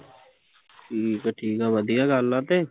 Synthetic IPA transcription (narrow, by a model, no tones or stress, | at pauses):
ʈʰiːkaʈʰiːkaːʋəd̪ijaːɡaːlːaːt̪eː